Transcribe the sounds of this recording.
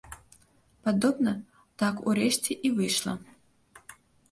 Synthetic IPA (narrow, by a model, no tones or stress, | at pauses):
pad̪obnɐ | t̪akṵɾeʃtʰʲiʔivɨjʂlˠɐ̰